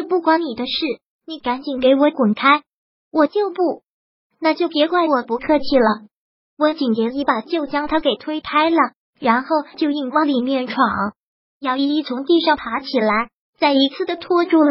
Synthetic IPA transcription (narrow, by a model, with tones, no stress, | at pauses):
pu˥˩kwa˧˥nni˨˩d̪ə˦ʂɻ̩˥˩ | ni˧˩˥ka˧˥nt͡ɕi˨˩nke˧˥ɪwɔ˧˥kwʊ˨˩nkʰa˥ɪ | wɔ˨˩t͡ɕjo˥˧ʊpu˥˩ | na˥˧t͡ɕjo˥˩ʊpjɛ˧˥kwa˥˩ɪwɔ˨˩pu˧˥kʰɤ˥˧t͡ɕʰi˥˩lə˩ | wɔ˧˥t͡ɕi˨˩nt͡ɕjɛ˧˥i˧˥˩pa˨˩t͡ɕjo˥˩ʊt͡ɕjɑ˥ŋt̪ʰa˥ke˨˩ɪt̪ʰwe˥ɪpʰa˥ɪlə˨ | ɻa˧˥nxo˥˩ʊt͡ɕjo˥˧ʊi˥˩ŋwa˥˩li˨˩mjɛ˥˩nʈ͡ʂʰwɑ˨˩ŋ | jɑ˥˧ʊi˥˧i˥˩t͡sʰʊ˧˥ŋt̪i˥˧ʂɑ˥˩ŋpʰa˧˥t͡ɕʰi˨˩la˧˥ɪ | t͡sa˥˩ɪi˧˥t͡sʰɹ̩˥˩d̪ə˩t̪ʰwɔ˥˧ʈ͡ʂu˥˩l